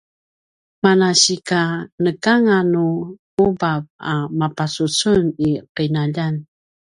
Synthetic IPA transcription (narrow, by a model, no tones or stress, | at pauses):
manaɕikanəkaŋanu | ubap̚amapasut͡suniqəjnaʎan